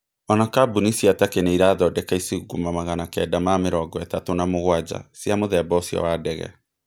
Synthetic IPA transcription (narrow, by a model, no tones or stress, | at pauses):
ɔnakabunisiatakeneiɾaːðɔdɛkaiseɣuɡumamaɣanakɛdamameɾɔɡɔɛtatonamoɣwad͡ʑa̰sjamoðɛbɔsjɔ̰waːdɛɣɛ̰